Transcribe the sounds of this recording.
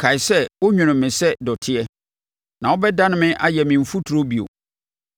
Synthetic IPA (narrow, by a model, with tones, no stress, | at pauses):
kʰa˨ɪ˨sɛ˦wʊ˦ɲᶣʊ̃˨nʊ̃˨mɪ̃˨sɛ˦dɔ˨tʰɪ˦ɛ˦ | nã˨wɔ˦bɛ˦dã˦nʊ̃˦mɪ̃˦ʔa˦jɛ˨mɪ̃˨m̩˨fu˦tʰu˨ɾo˦bi˨o̰˨